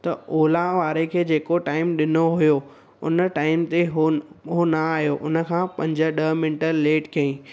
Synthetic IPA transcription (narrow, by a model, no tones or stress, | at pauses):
t̪ɐoːlaʋaːɾekʰeːd͡ʑeːkoʈaːɪmɗɪnoɦʊjo | ʊn̆ʈaːɪmt̪eɦoɦonaaːɦijoʔʊnə̆kʰãːpɐ̃ɲd͡ʑə̆ɗɐmɪnʈəɾleːʈkɐĩː